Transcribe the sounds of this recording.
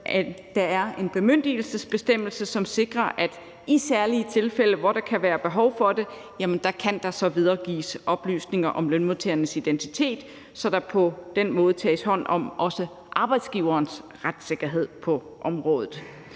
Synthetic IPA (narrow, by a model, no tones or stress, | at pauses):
d̥ɑ̈æɐe̝nb̥e̝møn̰d̥il̩səsb̥e̝sd̥em̰l̩səsɒ̽mse̝ɡ̥ʁɐʔæd̥ | isæɐliət͡sʰe̝lfel̰əʋɒɾ̥ɑ̈kʰæʋæːɐb̥e̝ɦɒ̽ʊfɒ̽d̥e̝ | jæmənd̥ɑ̈kʰænd̥ɑ̈sɒ̽ʋið̞ˠɐːɡ̥ḭːsʔɒ̽b̥ly̰ːsne̝ŋɐʔɒ̽mlønmot͡sʰeɐnəsid̥ent͡sʰi̥t͡sʰe̝̰ːd̥ | sɒ̽d̥ɑ̈pʰɒ̽d̥en̰mɔ̽ːð̞̩ˠət͡sʰɛ̰ːshɒ̽n̰ɒ̽mʔɒ̽sə | ʔɑ̈ːb̥ɑ̈ɪd̥sɡ̥iːʊɐːnsʁad̥se̝ɡ̥ɐɦe̝ð̰ˠpʰɒ̽ | ʔɒ̽mʁɔ̽ːð̞ˠð̩ˠ